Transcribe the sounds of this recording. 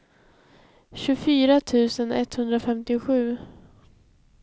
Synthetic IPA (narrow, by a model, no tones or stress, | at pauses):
ɕɵfyːɾat̪ʰʉ̟ːsənʔɛ̰t̪hɵnd̪ɾafɛmt̪ɪʊɧʉ̟ː